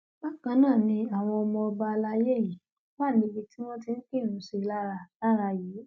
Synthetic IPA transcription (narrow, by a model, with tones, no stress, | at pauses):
ba˦kã˧˦nãː˦˨nĩ˧a˨w̃ɔ̃˧ɔ˧mɔ̃˧ɔ˧ba˧la˧je˦˨ji˨˦ | wa˦˨nĩ˧bi˧ti˦w̃ɔ̃˦ti˧n̩˦ke˦˨ɾ̃ũ˨˦si˧la˦ɾa˧la˦ɾa˧jiː˨˦